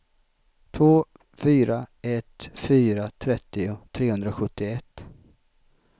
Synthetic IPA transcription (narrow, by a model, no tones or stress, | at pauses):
t̪ʰvoː | fyːɾaɛt̪fyːɾat̪ʰɾɛt̪ːɪʊt̪ʰɾeːhɵnd̪ɾaɧɵt̪ːɪɛt̪ː